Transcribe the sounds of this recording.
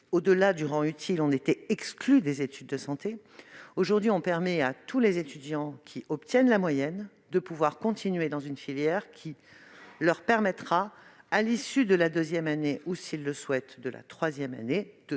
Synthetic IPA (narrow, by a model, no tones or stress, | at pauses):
od̪əlad̪yʁɑ̃yt̪ʰilɔ̃net̪ɛɛksklyd̪ezet̪ʰyd̪ːəsɑ̃t̪e | oʒuʁd̪ɥiɔ̃pɛʁmɛat̪ʰulezet̪yd̪jɑ̃kʲʰiʔɔpt̪jɛnlamwajɛn | d̪əpuvwaʁkɔ̃t̪ʰinɥed̪ɑ̃zynfiljɛʁkʲʰilœʁpɛʁmɛt̪χa | alisyd̪əlad̪øzjɛmaneʔusilːəswɛt̪d̪əlʔa̰t̪χwazjɛma̰ned̪ə